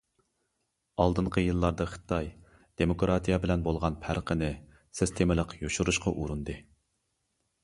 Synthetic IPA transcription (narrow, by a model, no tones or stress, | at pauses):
ɑlˠd̪ɨɴqʰəjɨlˠːɑɾd̪ɑχɨ̥t̪ʰɑj | d̪̥emokɾɑt̪ʰijɛbɪlɛnbolˠʁɑnpʰæɾqʰənɪ | sɪst̪ʰemɪlˠəqjoʃuɾuʃqɑʔuɾund̪ɨ